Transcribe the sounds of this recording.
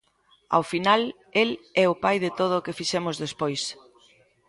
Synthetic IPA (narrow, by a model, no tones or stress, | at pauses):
a̰wfinal | elɛʊpajðɪt̪oð̞ʊkɪfiʃɛmʊzðespojs